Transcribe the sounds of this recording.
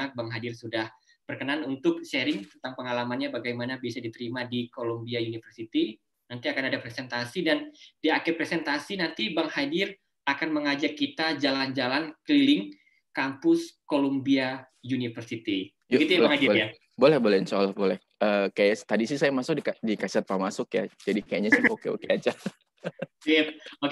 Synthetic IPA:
abaŋɦadɪrsudah | b̥ərkənanunt̪ʊk̚ʃeɾɪŋt̪ənt̪aŋpəŋalamanɲabaɡajmanabiasadit̪əɾimadikolombiajunifərsit̪i | nant̪iakanadapɾesɛnt̪asidandiakɛpɾesɛnt̪asinant̪ibaŋhadɪr | akanməŋad͡ʒakːit̪ad͡ʒaland͡ʒalanklilɪŋ | kampʊskolombia | junifərsit̪i | jɡit̪ujamaŋadija | bolɛhbolɛhnsaalahbolɛh | əːkajast̪adisisajamasʊk̚dikadikasat̪̚pamasʊkja̰d͡ʒadikajaɲasokeo̰kead͡ʒa | ok

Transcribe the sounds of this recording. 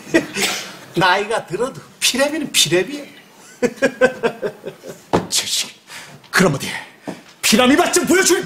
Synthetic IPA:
naiɡatɯɾʌdupʰiɾebinɯnpʰiɾebie | t͡ɕʰʌt͡ɕi̥kɯɾʌmʌt̪epʰiɾamibat͡ɕ͈ɯmpojʌd͡ʑu

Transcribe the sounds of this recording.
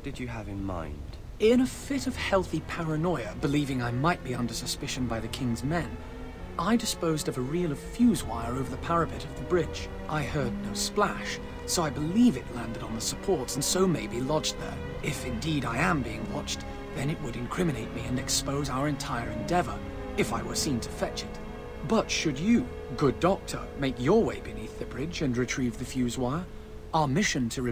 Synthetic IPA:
d̥ɨd͡ʒɨəvɨ̃nmã̰ɪ̃nd̥ | ɪ̃ñɨfɪɾʌv̥hɛlˠθipʰæɹɨnɔɪɨbɨlivɪ̃ŋaɪmaɪt̚b̥iʌ̃ndə˞sɨspɪʃɨ̃nbaɪðɨkʰɪ̃ŋzmɛ̃n | ʔaɪdɨspoʊzdʌvəɹilˠɨ̥fjʉzwaɪə˞oʊvə˞ðɨpʰæɹɨpʰɨɾʌvðɨbɹɪ̥d͡ʒ | ʔaɪhɜ˞dⁿnoʊsplæʃ | soʊaɪbəlivɨtˡlæ̃ndɨɾn̩ðəsəpʰɔɹtsn̩soʊmeɪbilɑd͡ʒ̚ðə̰˞ | ɪfɨ̃ndiɾaɪɨ̃mbiɪ̃ŋwɑt͡ʃ | ðɨ̃nɨʔ̚wəɾɨ̃nkʰɹ̥ɪ̃mɨneɪt̚miɨ̃nɨkspoʊzaʊə˞ɨ̃ntʰaɪə˞ɨ̃ndɛvə̰˞ | ɨfaɪwə̰˞sĩntʰɨ̥fɛt͡ʃɨt̚ | b̥ʌtʃɨdɨ | ɡʊdɑk̚tʰə̰˞meɪkjə˞weɪbɨniθðɨbɹɪd͡ʒɨ̃nɹɨtʰɹ̥ivðɨfjʉzwaɪə˞ | aə˞mɪʃɨ̃ntʰɨɨ

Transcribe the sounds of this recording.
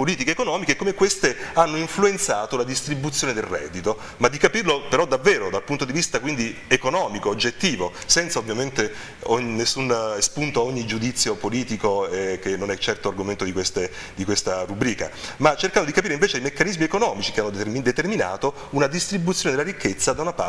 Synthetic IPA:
poliːt̪ikeːkonɔːmikekːomekːwest̪eanːoiɱfluent̪saːt̪olad̪ist̪ɾibut̪sːjoːned̪elrɛ̰d̪ːit̪o | mad̪ːikapirlopeɾɔd̪avːeːɾod̪alpunt̪od̪ivist̪akwind̪iekonɔːmikoːd͡ʒːet̪ːiːvosɛnt̪saovːjament̪e | oɲnːesːunspunt̪ooɲːid͡ʒud̪it̪sːjopoliːt̪ikoɛk̟enːonɛt͡ʃːɛrt̪oarɡoment̪od̪ikwest̪e | d̪ikwest̪aɾubɾiːka̰mat͡ʃːerkand̪od̪ikapiːɾeiɱveːt͡ʃeajmekːanizmiekonɔːmit͡ʃikeanːomid̪et̪ermina̰ːt̪o | unad̪ist̪ɾibut̪sjoːned̪elːaɾikʰːet̪sːad̪aunapa

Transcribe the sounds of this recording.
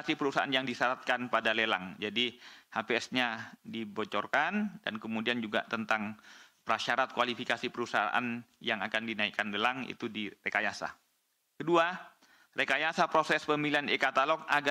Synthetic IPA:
sipəɾusaʔanjaŋdisaɾat̪̚kanpadalela̰ŋd͡ʒadihapeɛsɲadibot͡ʃɔrkanda̰nkəmudiand͡ʒuɡa̰t̪ənt̪aŋpəɾaʃaɾat̪̚kwalifikasipəɾusaa̰ʔa̰njaŋakandinaikːanlelaŋḭt̪udiɾekajasa̰ | kədua | rekajasapɾosɛspəmilianekat̪alɔk̚aɡa

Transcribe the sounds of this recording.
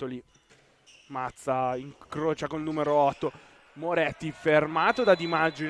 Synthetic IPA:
t̪ːoli | mat̪sːaiŋkɾoːt͡ʃakoilnuːmeɾoɔt̪ːo | moɾɛt̪ːifermaːt̪od̪ad̪imad͡ʒi

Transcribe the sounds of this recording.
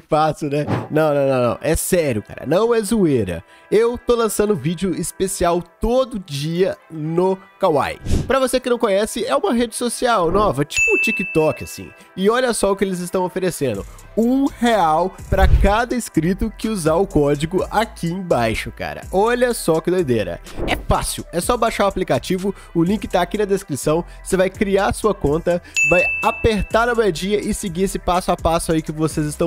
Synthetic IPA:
fasʊnɛnɐ̃w̃nɐ̃w̃nɐ̃w̃nɐ̰̃w̃ʔɛsɛɾjʊka̰ɾɐ̰nɐ̃w̃ɛzueɾɐ̰ | ewt̪olɐ̃sɐ̃nd̪ʊvid͡ʒɪʊɪspesiawt̪od̪ʊd͡ʒiɐnʊkawa̰jpɾɐvosekɪnɐ̃w̃kõɲɛsɪɛũmɐɦed͡ʒɪsosiawnɔvɐt͡ʃi̥pʊ̃t͡ʃikɪt̪ɔkɪasḭ̃ | ɪɔʎɐsɔʊkɪelɪzɪst̪ɐ̃w̃ofeɾesẽnd̪ʊ | ũheawpɾɐkad̪ɐɪskɾit̪ʊkɪuzaʊkɔd͡ʒiɡʊakʰiẽj̃bajʃʊka̰ɾɐ̰ʔɔʎɐsɔkɪd̪ojd̪eɾɐ̰ɛfasiwɛsɔbajʃaɾʊaplikat͡ʃivʊ | ʊlĩkɪt̪aːkinɐd̪eskɾisɐ̃w̃ | sevajkɾiaɾsuɐkõnt̪ɐvajapeɾt̪aɾnɐmejd͡ʒiɐʔɪsɪɡiesɪpasʊapasʊaikɪvosezɪst̪ɐ̃w̃

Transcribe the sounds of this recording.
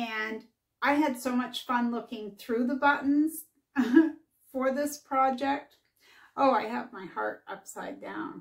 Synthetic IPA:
ɨ̃n | ʔaɪɨd̥soʊmʌt͡ʃfʌ̃nlʊkɪ̃ŋθɹʉðəbʌʔn̩z̥ | fə˞ðɪspʰɹ̥ɑd͡ʒɛk̚t̚ | ʔoʊaɪɨvmaɪhɑ̰ɹɾʔʌ̰psaɪdã̰ʊ̃n

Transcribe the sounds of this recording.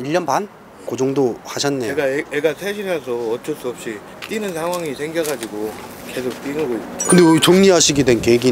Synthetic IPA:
iʎːʌnban | kod͡ʑoŋdohaɕʰʌnːeɡaeeɡasʰeɕʰiɾes̬ʰʌʌt͡ɕ͈ʌs͈uʌp̚ɕ͈i | t͈inɯnsʰaŋɦwaŋisʰe̞ŋɡjʌɡad͡ʑiɡo | ke̞sʰok̚t͈inɯɡoitkɯndet͡ɕoŋɲiɦaɕʰiɡidwenkeɡi

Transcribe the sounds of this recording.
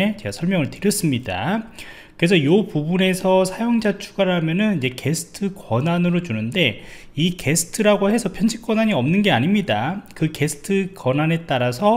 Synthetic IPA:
et͡ɕe̞ɡasʰʌɭmjʌŋɯɭtɯɾjʌs͈ɯmɲida̰ | kɯɾesʰʌjopubune̞sʰʌsʰajoŋd͡ʑat͡ɕʰuɡaɾɦamjʌnɯnid͡ʑe̞ke̞sʰɯ̥tʰɯkwʌnanɯɾot͡ɕunɯnde̞ | ike̞sʰɯ̥tʰɯɾaɡoɦe̞sʰʌpʰjʌnd͡ʑʰik͈wʌnaɲiʌmnɯnɡe̞aɲimɲidakɯke̞sʰɯ̥tʰɯkʌnane̞t͈aɾasʰʌ

